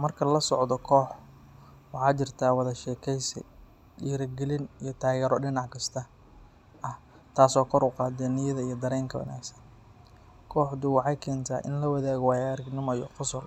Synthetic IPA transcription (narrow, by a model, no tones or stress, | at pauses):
mɐrkʰɐlɐsɔʕd̪ɔkʰɔːħ | wɑħɑːt͡ʃɪrt̪ʰaːwɑðɐʃɛːkʰɛjsɛ̰ | ɗiːɾɐɡɛlɪnijɞt̪ʰaːɣɛːɾɔɖɪnɑʕkʰɐst̪ʰɐ | ʔɐh | t̪ʰaːsɔːkʰɔɾʊqɑːd̪ɛnɪjɐðɐijɔd̪ɐɾɛːŋkʰɐwɑ̰na̰ːɡsɐn | kʰɔːħd̪ʊwɑħɑjkʰɛːnt̪ʰa̰ːʔɪ̰nlɐwɐðaːɣɔwaːjːɾɪɡnɪmɐjɔ̰qʊsʊl